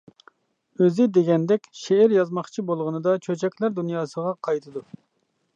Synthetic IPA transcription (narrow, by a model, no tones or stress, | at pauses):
øzɪd̪eɡʲɛnd̪ɛkʲʃeːɾjɑzmɑχt͡ʃʰibolˠʁənɨd̪ɑt͡ʃʰøt͡ʃʰɛkʲlæɾd̪unjɑːsəʁɑqʰɑjt̪ʰɨd̪u